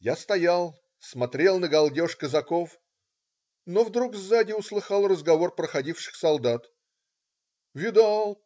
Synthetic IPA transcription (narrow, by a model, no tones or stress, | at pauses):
jast̪ɐjalˠ | smɐt̪ɾʲe̞lˠnəɡɐlˠdʲo̞ʂkəzɐko̞f | novd̪ɾuɡvzadʲɪʊslˠɨxɑlˠrəzɡɐvo̞rpɾəxɐdʲifʂɨ̥xsɐlˠd̪at̪ | vʲɪd̪alˠ